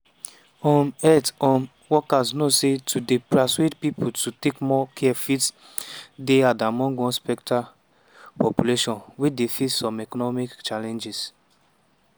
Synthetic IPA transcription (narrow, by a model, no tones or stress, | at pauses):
ɔ̃nɛtɔ̃n | wɔkaznosetudepɹaswedpipututekmɔkʰɛɛfit | deadamɔ̃ŋɡɔ̃nspɛkta | pɔpjuleʃɔ̃nwidefitsɔ̃mɛkɔnɔmikt͡ʃalɛ̃nd͡ʒis